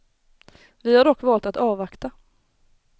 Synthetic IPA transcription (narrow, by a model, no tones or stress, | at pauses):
vɪhaɖɔkːvɑːlt̪at̪ɑːvakt̪a